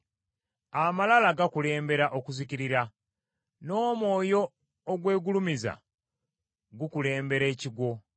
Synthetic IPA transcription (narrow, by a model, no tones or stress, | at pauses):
amalalaɡakule̞ːmbe̞ɾaʔokuziciɾiɾa | no̞ːmwo̞ːjo̞ː | ɡwe̞ːɡulumiza̰ | ɡukule̞ːmbe̞ɾe̞ːciɡwo̞